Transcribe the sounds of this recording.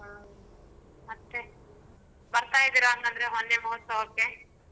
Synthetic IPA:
ɦa | mɐt̪ːe | bɐɾt̪aːjid̪iɾaːnt̪ɐnd̪ɐɾeɦonːemɐɦɔt̪sɐoːkːe

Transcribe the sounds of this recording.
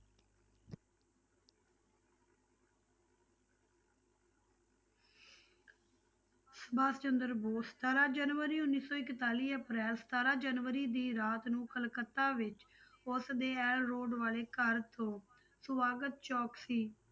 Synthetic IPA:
səbaːst͡ʃənd̪əɾboːsə̥t̪ʰaːɾaːd͡ʒənʋəɾiːʊnːiːsɔːɪkt̪aːliːəpɾɛːlsə̥t̪aːɾaːd͡ʒənʋəɾiːd̪iːɾaːt̪nũːkʰəlkət̪ːaːʋɪt͡ʃ | ʊsd̪eːɛːlːoːɖʋaːleːkəɾt̪ʰõː | sʊʋaːɡət̪̚t͡ʃɔːksiː

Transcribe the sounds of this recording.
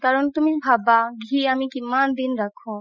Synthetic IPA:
kaɾɔnt̪umibʱabaɡʱiamĩkimːand̪inɾakʰõ

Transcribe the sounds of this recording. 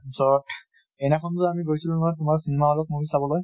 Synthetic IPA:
sɔt | ɛnɛkʰɔntʊamiɡojsilũnɔjtʊmaɹsinɛmaɔlɔt̚mukisabɔlɔj

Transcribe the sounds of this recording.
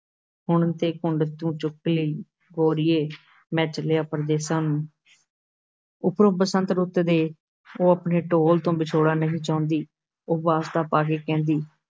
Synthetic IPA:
ɦʊɳt̪eːkʊɳɖt̪ũːt͡ʃʊkːləiː | ɡoːɾɪːeː | mɛ̃ːt͡ʃəlejaːpəɾd̪eːsaːnũː | ʊpɾoːpəsə̃nt̪ɾʊt̪d̪eː | oːəpɳeːʈoːlt̪õːbɪt͡ʃʰoːɽaːnəɦĩːt͡ʃaːʊ̃nd̪iː | oːbaːst̪aːpaːkeːkɛ̃ːnd̪iː

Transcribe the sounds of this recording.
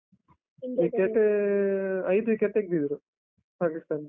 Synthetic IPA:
ʋikeɳʈe | ɐjd̪uʋikeɳʈek̚d̪id̪ɾu | paːkist̪aːn

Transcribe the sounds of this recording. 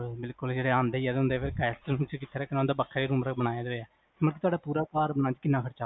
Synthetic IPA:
bɪlkʊld͡ʒeːɽeːãːnd̪eːiɛd̪ʊ̃nd̪eːfʰeːɾkɛːst̪nũːt͡ʃəkɪt̪ʰːeɾɛːkɪnãnd̪aːbəkʰːaiːɾũːmɾakbəɽaːjaːd̪ɾɛː | məɽk̬it̪ʊaːɖaːpuːɾaːkaːɾbənaːt͡ʃkɪnːãːkʰəɾt͡ʃaː

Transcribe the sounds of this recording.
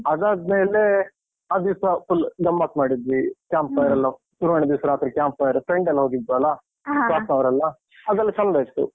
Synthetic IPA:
ɐd̪aːd̪meːle | ɐd̪iwsɐpulɡɐmbaːkmaːɽid̪ʋikʲjaːmpːɐjɐɾɐlːɐ | suɾʋɐɳed̪iʋsɐɾaːt̪ɾikjaːmpɐjɐɾpɾeɳɖɐlːɐɦoɡid̪ʋɐlɐ | saːsnɐʋɐɾɐlːɐ | ɐd̪ɐlːit͡ʃɐnbest̪ṵ

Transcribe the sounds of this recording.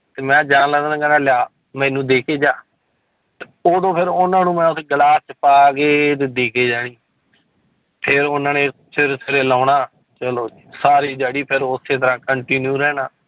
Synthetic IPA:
t̪eːmɛ̃ːd͡ʒaːnlɛːd̪nãːɡənãːlɪjaː | mɛ̃ːnũːd̪eːkʰeːd͡ʒaː | t̪e | oːd̪õːpʰɪɾʊnãːnũːmɛ̃ːʊseːɡəlaːtt͡ʃpaːɡeːt̪eːd̪eːkʰeːd͡ʒaːɽ̃iː | pʰɪɾʊnãːnẽːpʰɪɾsɪɾeːlãːnaː | t͡ʃəloːd͡ʒiːsaːɾiːd͡ʒaːɽiːpʰɪɾʊsːeːt̪əɾãːkəɳʈiːnjuːɾɛːnaː

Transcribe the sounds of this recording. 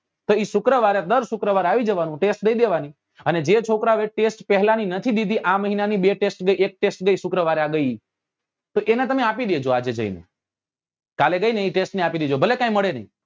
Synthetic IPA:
t̪oiʃʊkɾəʋaɾad̪əɾʃʊkɾəʋaɾaʋid͡ʒəʋanũʈesʈ̚d̪əid̪eʋani | əned͡ʒet͡ʃʰokɾaʋeʈesʈpɛɦlaninət̪ʰid̪id̪ʱiʔãməɦinanibeʈesʈɡəiek̚ʈesʈɡəiʃʊkɾəʋaɾaɡəi | t̪oʔenet̪əmeapid̪ed͡ʒoad͡ʒed͡ʒə̰ḭnḛ | kaleɡəineiʈesʈniapid̪ed͡ʒobʱəlekãĩməɭenə̰ḭ

